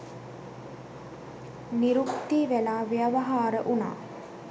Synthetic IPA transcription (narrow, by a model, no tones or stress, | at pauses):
niɾukt̪iːʋelaːʋijaʋaɦaːɾəʔuna̰ː